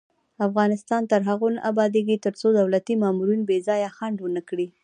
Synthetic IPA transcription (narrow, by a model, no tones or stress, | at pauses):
afɣɑnɪst̪ɑnt̪aɾɦaɣonʔabɑd̪eɡit̪əɾt͡sod̪awlat̪imɑmuɾinbezɑjaxaɳɖwənakɽi